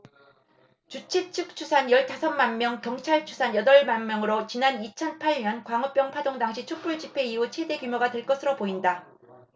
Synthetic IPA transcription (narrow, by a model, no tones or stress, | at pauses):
t͡ɕut͡ɕʰit͡ɕʰɯk̚t͡ɕʰusʰanjʌɭtasʰʌnmːanmːjʌŋkjʌŋt͡ɕʰaɭt͡ɕʰu̥sʰanjʌdʌɭmanmjʌŋɯɾot͡ɕinanit͡ɕʰʌnpʰaɾɲʌnkwaŋɯp͈jʌŋpʰadoŋdaŋɕʰit͡ɕʰok̚p͈uɭd͡ʑipʰe̞iɦut͡ɕʰwe̞de̞kjumjoɡadwe̞ɭk͈ʌsʰɯɾopoinda